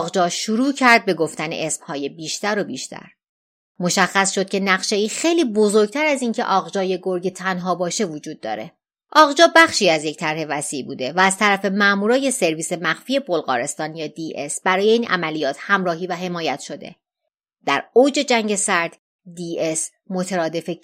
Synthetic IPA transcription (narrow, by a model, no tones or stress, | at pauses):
ʁd͡ʒɒːʃuɾuːcʰæɾd̪̚be̞ɡo̞ft̪ænḛʔesb̥hɒːje̞biːʃt̪ʰæɾo̞biːʃt̪ʰæ̰ɾ | mo̞ʃæxːæsʃo̞d̪̥̚cʰe̞næɣʃeiːxe̞jliːbo̞zo̞ɾɡ̚t̪ʰæɾæziːncʰe̞̰ʔɒːɣd͡ʒɒːje̞ɡo̞ɾɟet̪ʰænɦɒːbɒːʃe̞vod͡ʒuːd̪̚ːɒ̰ːɾe̞̰ | ʔɒːɣd͡ʒɒːbæχʃiːæzje̞ct̪ʰæɾhe̞væsḭːʔbṵːd̪e̞væːz̥t̪ʰæɾæfe̞mæʔmuːɾɒːje̞se̞ɾviːse̞mæχfie̞bo̞lɣɒ̰ːɾe̞st̪ɒːnjɒːd̪iːʔe̞sb̥æɾɒːje̞iːnʔæ̰mælijɒːt̪ʰhæmɾɒːɦiːvæɦe̞mɒːjæt̪ʰʃo̞d̪e̞̰ | d̪̥æɾod͡ʒe̞d͡ʒæŋɟe̞sæɾd̪̥ | d̪iːes | mo̞t̪ʰeɾɒːd̪e̞fe